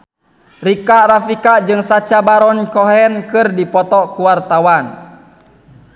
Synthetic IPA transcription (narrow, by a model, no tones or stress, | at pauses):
rikarafikad͡ʒɨŋsat͡ʃabaɾɔnkɔɦɛnkɨrdipɔt̪ɔkuwart̪awan